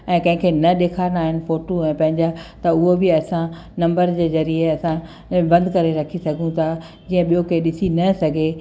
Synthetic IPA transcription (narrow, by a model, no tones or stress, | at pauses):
ɛ̃ːkɐ̃ɦɪ̃kʰeːnɐɗeːkʰaːnaːɦɪnɪ̆foːʈoɛ̃ːpɐ̃ɦɪ̃ɲd͡ʑat̪ɐʊɦobɪɐsã | nɐ̃mbəɾd͡ʑeːzɐɾieɐsã | bɐ̃nd̪kɐɾeɾɐkʰisɐɡʱũt̪ʰa | d͡ʑiːə̃ɓijokeɗɪsinɐsɐɡʱe